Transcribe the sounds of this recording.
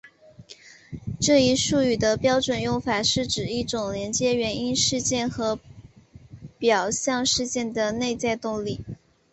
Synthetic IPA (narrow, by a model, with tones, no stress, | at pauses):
ʈ͡ʂɤ˥˩i˧˥ʂu˥˩y˨˩d̪ə˦pjɑ˥ʊʈ͡ʂwə˨˩njʊ˥˩ŋfa˨˩ʂɻ̩˥˩ʈ͡ʂɻ̩˨˩i˥˩ʈ͡ʂʊ˨˩ŋljɛ˧˥nt͡ɕjɛ˥ɥɛ˧˥ni˥nʂɻ̩˥˧t͡ɕjɛ˥˩nxɤ˧˥ | pjɑ˨˩ʊɕjɑ˥˧ŋʂɻ̩˥˧t͡ɕjɛ˥˩nd̪ə˩ne˥˧ɪt͡sa˥˧ɪt̪ʊ˥˧ŋli˨˩˦